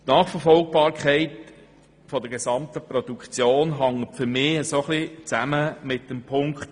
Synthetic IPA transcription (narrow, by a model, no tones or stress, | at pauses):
tnɑːχfəɾfɔlɡ̚b̥ɑːɾkʰχɛɪt | fɔd̥̪əɡ̥ɛsɑmt̪əpɾɔd̥̪ukt͡sjoːnɦɑŋətfʏɾmɪːəsoχlit͡sæməmɪt̚dəmpʰʊŋkχt